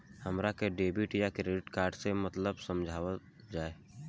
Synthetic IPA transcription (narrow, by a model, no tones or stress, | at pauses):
həmɾakeɖeːbiʈjakɾeːɖɪʈkaːɾɖsemət̪ləbsəmd͡ʒʱaːʋə | d͡ʒaːe